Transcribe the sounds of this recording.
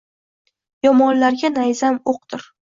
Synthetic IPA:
jɒmɒnlaɾɡʲanajzamoq̚d̪ɪɾ

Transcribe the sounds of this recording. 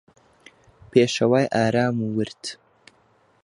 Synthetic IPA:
peːʃɐwaːjʔaːɾaːmuːwɨɾt̪

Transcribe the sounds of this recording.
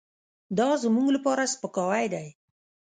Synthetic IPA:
d̪ɑzəmuɡlapɑɾaspəkɑwajd̪aj

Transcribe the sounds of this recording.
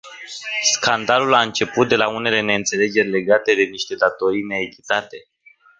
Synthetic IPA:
skand̪alulaɨnt͡ʃe̞put̪̚d̪e̞laune̞le̞ne̞ɨnt̪se̞le̞d͡ʒe̞rʲle̞ɡat̪e̞d̪e̞niʃt̪e̞d̪at̪o̞ɾijne̞ːkʲi̥t̪at̪e̞

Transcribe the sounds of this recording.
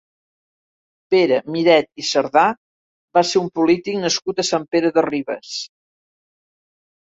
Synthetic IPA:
peɾəmiɾɛt̪̚isəɾða | baseɾumpulit̪iknəskut̪əsampeɾəðəriβə̰s

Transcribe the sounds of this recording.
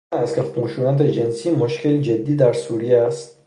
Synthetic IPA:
ast̪kʲʰeχuʃunat̪̬ed͡ʒensimuʃkʰeld͡ʒed̪ːid̪aɾsuɾiast̪

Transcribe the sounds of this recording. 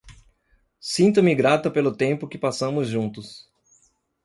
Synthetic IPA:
sĩnt̪ʊmɪɡɾat̪ɐpelʊt̪ẽmpʊkɪpasɐ̃mʊzʒũnt̪ʊs

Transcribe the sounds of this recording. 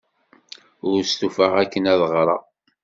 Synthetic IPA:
ʊɾst̪ufəʁækːənæðəʁɾˤɑ̰

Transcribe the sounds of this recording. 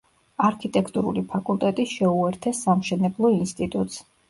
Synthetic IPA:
aɾkʰit̪ʼɛkʰt̪ʼuɾṵlipʰakʼulˠt̪ʼɛt̪ʼiʃɛuɛɾt̪ʰɛsːamʃɛnɛblˠɔinst̪ʼit̪ʼut̪ʼs

